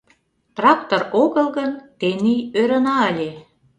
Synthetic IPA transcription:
t̪rɑk̚t̪oroɣəlɣənt̪enijøɾə̆nɑəlʲe

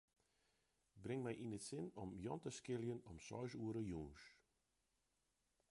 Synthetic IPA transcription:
brɪŋmɛjʔinətsɪnɔmjɔntəskɪljənɔmsɔ̰ɥs̬uəɾəjuːns

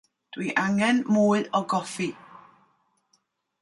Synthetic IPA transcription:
d̥wiʔaŋɛnmuːɨɔɡɔfi

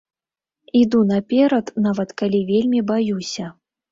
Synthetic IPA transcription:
id̪unɐpʲɛɾɐt̪navɐt̪kalʲivʲelʲmʲibajusʲɐ

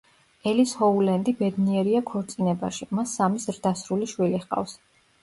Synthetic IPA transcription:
ɛlishɔulɛnd̪ibɛd̪niɛɾiakʰɔɾt̪sʼinɛba̰ʃimasːamizɾd̪asɾuliʃwiliχqʼa̰fs

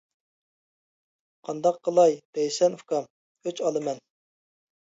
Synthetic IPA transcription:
qʰɑnd̪ɑqːəlˠɑjb̥ɛjsɛnfkɑm | øt͡ʃɑlˠɨmɛn

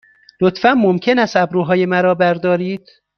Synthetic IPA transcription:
lot̪fænmomcʰe̞næst̪æbɾuːɦɒːje̞mæɾɒːbæɾd̪ɒːɾiːd̪̥

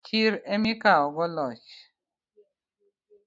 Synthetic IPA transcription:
t͡ʃiɾemikaɔɡɔlɔt͡ʃ

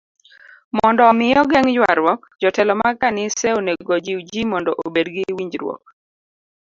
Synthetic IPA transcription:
mɔndɔːmɪjɔɡɛŋjwaɾwɔk̚ | d͡ʒɔtɛlɔmakanɪsɛoneɡod͡ʒiwd͡ʒimɔndɔʔobedɡɪwiɲd͡ʒɾwɔ̰k̚

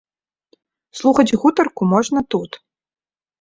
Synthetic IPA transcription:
slˠuxɐd͡zʲɣut̪ɐrkumɔʐnɐt̪ut̪

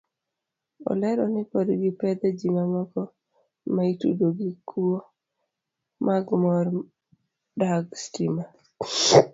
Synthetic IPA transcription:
ɔ̰lɛɾɔnɪpodɡipɛd̪ɛd͡ʒimamɔkɔ | maitṵdoɡikʰuo | maɡmɔɾ | daɡstima

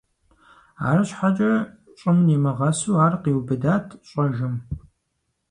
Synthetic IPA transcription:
a̰ːrɨɕħat͡ʃʼɐ | t͡ʃʼɪmnimɐʁɐsuːaːrqiːwbɨdaːtʰɕʼɐʒɨm

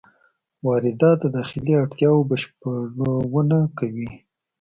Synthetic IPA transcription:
wɑɾɪd̪ɑt̪̚d̪əd̪ɑxɪliaɽt̪jɑwobaʃpəɽowunakawi

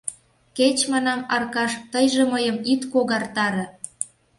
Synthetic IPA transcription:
ket͡ɕmɑnɑmɑrkɑʃt̪əjʒeməjə̆mit̪koɣɑrt̪ɑɾɤ̆

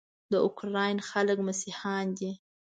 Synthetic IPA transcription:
d̪əʊkɾɑjnxaləkmasihɑnd̪i

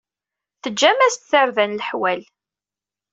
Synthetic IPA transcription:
θəd͡ʒːæmæst̪θaɾðænlħwæl

